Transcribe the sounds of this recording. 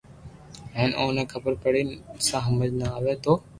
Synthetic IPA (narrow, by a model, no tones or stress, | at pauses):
ɦɛ̃ːnoːneːkʰəbəɾpəɽinsãːɦəməd͡ʒnaaːʋeːt̪oː